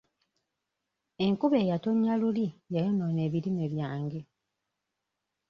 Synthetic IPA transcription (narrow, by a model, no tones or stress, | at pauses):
e̞ŋkuβe̞ːjato̞ɲːalulijajonone̞ːβiɾimeβjaːŋɡe̞